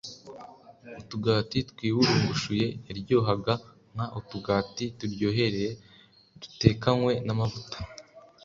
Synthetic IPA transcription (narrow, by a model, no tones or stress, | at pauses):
utuɡaːtitkwiːwuɾuŋɡuʃuje̞ːɾɟoːɦaɡa | ŋ̥haʔutuɡaːtituɾɟo̞ːɦe̞ɾeje | dute̞ːkaŋwe̞namavutḁ